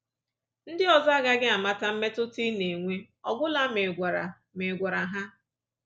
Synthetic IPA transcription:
n̩˦dɪ˦ɔ˨za˦ɡa˦ɡɪ˦a˨ma˦ta˦m̩˦me˦tʊ˦ti˦ne˨ŋʷe˦ | ɔ˨ɡʊ˦la˦mɪ˨ɡʷɾa˨ | mɪ˨ɡʷa˨ɾa˨ɦa˦

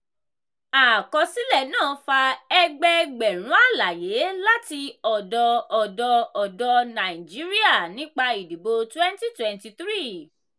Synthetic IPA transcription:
a˨kɔ˧si˨˦lɛ˦˨nãː˦˨˦fa˧ɛ˧ɡ͡bɛ˧ɡ͡bɛ˨ɾ̃ũ˨˦a˦˨la˨je˨˦la˦ti˧ɔ˨dɔ˧ɔ˨dɔ˧ɔ˨dɔ˧nã˨i˨d͡ʒi˨˦ɾi˦a˦˨nĩ˦k͡pa˧i˨di˨bo˧twɛ̃˦nti˦twɛ̃˨nti˧t̪ɾi˦˨

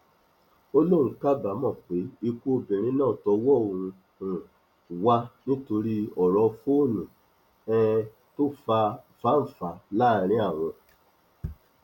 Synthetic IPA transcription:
o˦lõ˦˨ũ˨˧˦ka˦˨ba˨˦mɔ̃˦˨k͡pe˨˦i˧ku˦o˧bẽ˨ɾ̃ĩ˨˦nãː˦˨tɔ˧wɔ˦õ˨ũ˧ | ũ˨ | wa˧nĩ˦to˧ɾi˧ɔ˨ɾɔ˧fo˦o˦˨nũ˨ | ɛ̃˦˧ | to˦fa˧˨ | fa˦n̩˨fa˨˧˨la˦˨ɾ̃ĩ˨˦a˦˨w̃ɔ̃˧

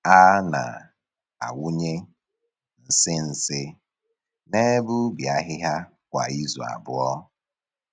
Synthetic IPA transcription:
a˦na̰˨ | a̰˨wu˦ɲe˦ | n̩˨sɪ˦n̩˨sɪ˦ | ne˦bʊ˦bja˦ɦɪ˦ɦa˦ | kʷa̰˨i˦zɔ˨a̰˨bʊ˦ɔ˦

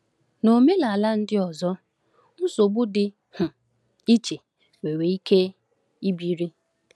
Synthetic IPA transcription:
no˨me˦la˨a˨la˦n̩˦dɪ˦ɔ˨zɔ˦ | n̩˦so˨ɡ͡bʊ˦dɪ˨ | hʊ˨ | i˦t͡ʃe˨ | we˨we˨i˦ke˦ | i˦bi˨ɾi˦

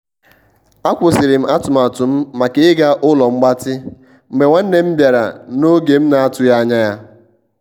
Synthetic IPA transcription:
a˦kʷʊ˨sɪ˨ɾɪ˨m̩˦a˦tʊ˨ma˨tʊ˨m̩˦ma˨ke˨ɪ˦ɡa˦ʔʊ˦lɔ˨ŋ͡m̩˦ɡ͡ba˦tɪ˦ | m̩˨me˨ŋʷa˦n̩˦ne˦m̩˦bja˨ɾa̰˨no˦ɡe˨m̩˦na˨a˦tʊ˨ja˦ɲa˦ja˦

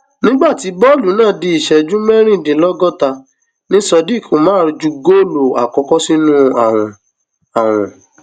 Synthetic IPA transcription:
nĩ˦ɡ͡ba˦˨ti˨˦bɔ˦˨lu˨˦nãː˦˨di˧i˨ʃɛ˨d͡ʒũ˦mɛ˦ɾ̃ĩ˦˨de˨˦lɔ˦ɡɔ˦˨ta˧ | nĩ˦sɔ˧di˦˨ko˨mãː˦ɾi˧d͡ʒu˧˦ɡo˦˨lo˨a˨kɔ˧kɔ˦si˦nũ˦a˨w̃ɔ̃˨˧ | a˨w̃ɔ̰̃˨

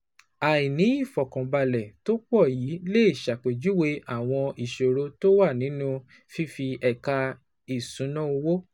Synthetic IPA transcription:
a˨i˨nĩ˨˦i˦˨fɔ˨kã˨ba˧lɛ˨to˦k͡pɔ˦˨ji˨˦le˦i˦˨ʃa˨k͡pe˨d͡ʒu˦we˧ʔa˦˨w̃ɔ̃˧i˨ʃo˨ɾo˧˦to˦wa˦˨nĩ˨˦nũ˦ | fi˦fi˧ɛ˨ka˧ | i˨sũ˨˦nã˦o˧wo˦

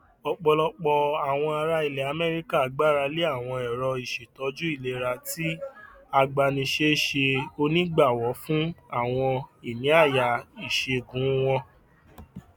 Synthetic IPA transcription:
ɔ˧˨k͡pɔ˧lɔ˧k͡pɔ˧a˨w̃ɔ̃˧a˧ɾa˧i˨lɛ˨a˨˧mɛ˦ɾi˦ka˦˨ɡ͡ba˦ɾa˧le˦a˦˨w̃ɔ̃˧ɛ˨ɾɔ˧i˨ʃe˨tɔ˨˧˦d͡ʒu˦i˦˨le˨˦˨ɾa˧ti˦ | a˧ɡ͡ba˧nĩ˧ʃe˦ʃe˧o˧nĩ˦ɡ͡ba˦˨wɔ˨˦fũ˦a˦˨w̃ɔ̃˧i˨nĩ˨˦a˦˨ja˨i˨ʃe˧˨ɡũ˨˦w̃ɔ̃˧

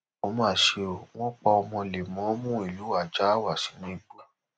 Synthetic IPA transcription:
o˦mã˦˨ʃe˧o˨w̃ɔ̃˦k͡pɔ˧ɔ˧mɔ̃˧le˨mɔ̃˨˦o˦mũ˦i˦˨lu˨˦wa˨d͡ʒa˦a˦˨wa˨si̥˨˦nĩ˦i˦˨ɡ͡bu˨˦

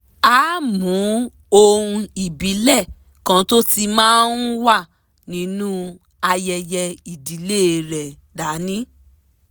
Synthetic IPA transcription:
a˨˦mũ˨˦ | o˧ɾũ˧i˦˨bi˨˦lɛ˦˨ | kã˨˧to˦ti˧mãː˦n̩˦wa˦˨ | nĩ˨˦nũ˦ | a˧jɛ˧jɛ˧i˨di˨˦le˦˨ɾɛ˨ | da˨˦nĩ˦

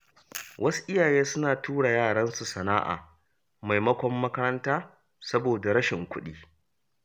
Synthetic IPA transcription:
wʔɐ˦su̥˦ʔɪ˦jaː˨jeː˦sʊ˦naː˨tuː˦ɽa˨jaː˦˨ɽɐ˦nsu˨sɐ˨na̰ː˦ʔa̰ː˨ | ma˨jmɐ˦kʷɔ˦mːɐ˦kɐ˦ɾɐ˦ntaː˦ | sɐ˦boː˨da˨ɾɐ˦ʃɪ˨ŋkʷʊ˦ɗiː˦

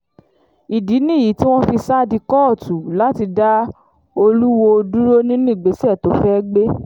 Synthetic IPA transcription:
i˨di˨˦nĩ˦˨ji˨˦ti˦w̃ɔ̃˦fi˧sa˦˨di˧kɔ˦˨tu˨˦la˦ti˧da˦ | o˧lu˦wo˧du˦ɾo˦nĩ˦nũ˦˨ɡ͡be˨˦si˦ɛ˦˨to˨˦fɛ˦ɡ͡be˦

